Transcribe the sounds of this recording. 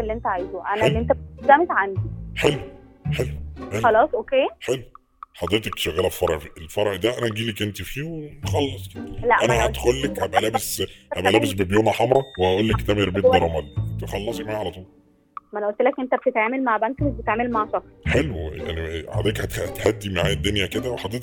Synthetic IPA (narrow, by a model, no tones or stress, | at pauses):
elːiʔent̪æʕajzoʔænelːiʔent̪æb̚d̪æmet̪ʕand̪iħelwħelwħeɑlɑːsˤʔokeːħelw | ħɑd̪ˤɾet̪ekʃæɣːæːlæffɑɾˤʕfelfɑɾˤʕd̪æʔænæɡiːlækʔent̪ifiːwemxɑlːesˤked̪læʔænæhæt̪xolːækhæbʔælæːbeshæbʔælæːbesbebjuːnæħɑmɾˤɑweæʔuːlːækʔt̪æmæjeɾˤb̪eːt̪̚bɑɾˤɑmɑlːʔent̪æxɑlːɑsˤɡmaːʕalæt̪ˤuːl | mænʔolt̪elækʔent̪æb̚et̪et̪ʕaːmelmaʕbæŋkmsbet̪ʕaːmelmaʕʃɑkɾħelwja̰ʕnia̰ʕ̰d̪æːkhæt̪t̪ħæd̪ːimaʕaːjæd̪ːonjæked̪æweħɑd̪ˤɾet̪